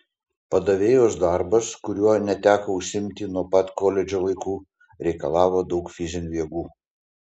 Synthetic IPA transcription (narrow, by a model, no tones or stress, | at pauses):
pɐd̪ɐʋʲeːjoːsd̪ɑˑɾbɐskʊɾʲuɔnʲɛt̪ʲæːkɐʊʃʲsʲɪmʲt̪ʲɪnuɔpɐt̪koːlʲɛd͡ʒʲoːʋɐɪkuː | ɾʲɛɪkɐlˠɑːʋoːd̪ɐʊkfʲɪzʲɪnʲuːʋʲiɛɡuː